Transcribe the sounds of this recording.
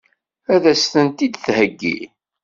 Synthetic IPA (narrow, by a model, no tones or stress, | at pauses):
æðæsθənt̪id̪θhəɡːḭ